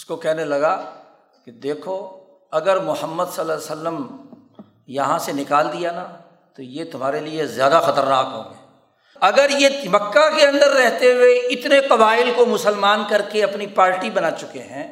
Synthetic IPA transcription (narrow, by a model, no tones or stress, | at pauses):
ɪskokɛɦnelɐɡa | ked̪eːkʰo | ɐɡəɾmʊhəmːəd̪səlːaːsəlːəm | jɐɦãsenɪkaːld̪ijana | t̪ojet̪ʊmɦaːɾeliezjaːd̪axɐt̪əɾnaːkɦo̰ːɡeː | ɐɡəɾjemɐkːakeɐ̃nd̪əɾːɛɦt̪eʊweɪt̪neqɐbaːɪlkomʊsəlmaːnkɐɾkeɐpnipaːɾʈibɐnaːt͡ʃʊkeɦɛ̃ː